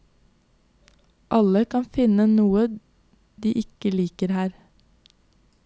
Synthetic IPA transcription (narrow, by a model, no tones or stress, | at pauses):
ʔɑləkʰɑnfɪnənuːə | d̪ḭːʔɪkəliːkəɾhæːɾ